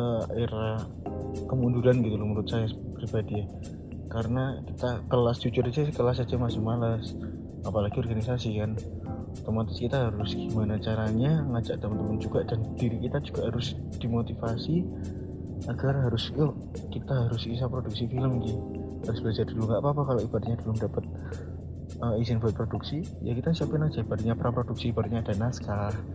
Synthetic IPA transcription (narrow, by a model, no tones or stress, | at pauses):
əeɾa | kəmunduɾanɡit̪uluməɾʊt̪̚sajapɾibadija | kaɾənakit̪akəlast͡ʃut͡ʃʊrd͡ʒakəlas̬ad͡ʒamasɪmalas | apalaɡiɔrɡanisasikan | t̪omat̪ɪ̥skit̪aɦaɾʊsɡ̥imanat͡ʃaɾaɲaŋad͡ʒaʔt̪əmənt̪əmʊnd͡ʒuɡaʔdand̥iɾikit̪ad͡ʒuɡaʔɦaɾʊs | d̥imot̪ifasi | aɡarɦaɾʊs | kit̪aɦaɾʊsis̬apɾoduk̚sifiləmɡihaɾʊsb̥əlad͡ʒaduluŋɡaʔpapakaloʔib̥adatɲadolʊmdapət̪̚ | əizɪnbat̪̚pɾoduksi | jakit̪asiapɛnad͡ʒaib̥adaʔɲapəɾʔapɾoduksibadʔɲadanaskaah